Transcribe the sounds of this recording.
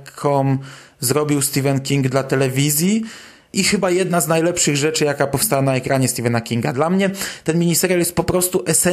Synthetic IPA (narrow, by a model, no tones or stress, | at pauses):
kʰɔm | zɾɔbʲiwst̪ʲivɛnkʲiŋɡd̪lat̪ɛlɛvʲizʲji | ʔixɘbajɛd̪naznajlɛpʂɘɣʐɛt͡ʂɘjakapɔfst̪awanaɛkɾʔaɲɛst̪ʲivɛnakʲiŋɡad̪lamɲɛt̪ɛnmʲiɲisɛɾʲjaljɛst̪pɔpɾɔst̪uʔɛsɛ